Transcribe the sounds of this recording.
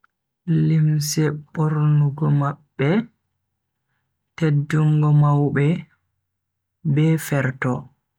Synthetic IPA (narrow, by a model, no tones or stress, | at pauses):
limsɛɓoɾnuɡɔmaɓːɛ | tedːuŋɡɔmawɓɛ | bɛfɛɾtɔ